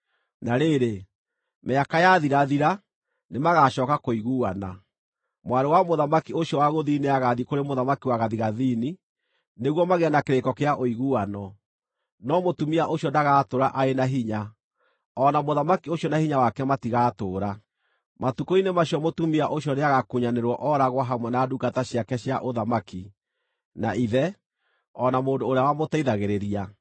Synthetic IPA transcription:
naɾeɾe | meakajaðiɾaðiɾa | nemaɣaɕɔːkakoiɣuana̰ | mwaɾewamoðamakioɕjɔwaɣoðiːneaɣaðikoɾemoðamakiwaɣaðiɣaðini | neɣwɔmaɣeanakeɾekɔkeaʔoiɣuanɔ | nɔmotumiaʔoɕjɔndaɣaːtoɾaʔaenaɦiɲa | ɔnamoðamakioɕjɔnahiɲawakɛmatiɣaːtoːɾa | matukoinemaɕjɔmotumiaʔoɕjɔneaɣakuɲaneɾwɔʔɔɾaɣwaɦamwɛnaduɡataɕjakɛɕjaʔoðamaki | naiðɛ | ɔnamoːndoːɾeawamotaiðaɣeɾeɾia

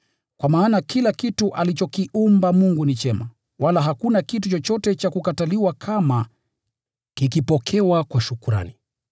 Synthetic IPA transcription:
kwamaːnakʰilakituʔalit͡ʃɔkiʔumbamuŋɡunit͡ʃɛma | walaɦakunakitut͡ʃɔt͡ʃɔtɛt͡ʃakukataliwakʰama | kikipɔkʰɛwakwaʃukuɾa̰ni

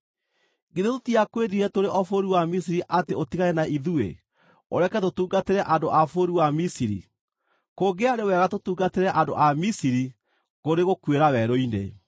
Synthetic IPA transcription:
ɡeðetotiakweɾiɾɛtoɾeʔɔfoɾiwamisiɾiʔateotiɣaɾɛnaʔiðuḛ | o̰ɾɛkɛtotuːɡateɾɛʔandoʔafoɾiwamisiɾḭ | koɡeaɾewɛɣatotuːɡateɾɛʔando̰ʔamisiɾi | ɣoɾeɣokweɾawɛɾoinḛ

